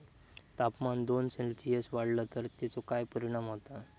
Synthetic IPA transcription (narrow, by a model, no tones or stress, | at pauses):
t̪apmand̪onsẽlsiesʋaɽlət̪əɾt̪et͡sokajpəɾiɽ̃amɦot̪a